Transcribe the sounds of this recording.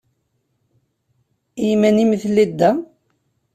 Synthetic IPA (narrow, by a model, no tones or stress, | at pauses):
imæniməθlid̪ːæ